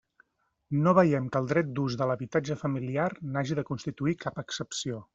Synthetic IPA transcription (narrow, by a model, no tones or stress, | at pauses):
noβəjɛmkəːlˠd̪ɾɛt̪̚d̪uzðələβit̪ad͡ʒəfəmiliarnaʒiðəkunst̪it̪uikapəksəpsio